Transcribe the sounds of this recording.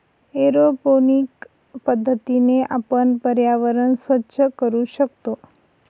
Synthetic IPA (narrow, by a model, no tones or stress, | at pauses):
eɾoponik | pəd̪ʱːət̪ineʔapəɳpəɾjaʋəɾəɳsʋətːʃəkəɾuʃək̚t̪o